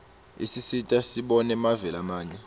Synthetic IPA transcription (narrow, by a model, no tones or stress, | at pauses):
ḭsisitʼasiɓɔnɛmavɛlamaːɲwɛ